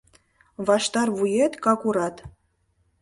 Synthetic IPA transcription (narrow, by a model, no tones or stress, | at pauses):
vɑʃt̪ɑrvujet̪kɑkuɾɑt̪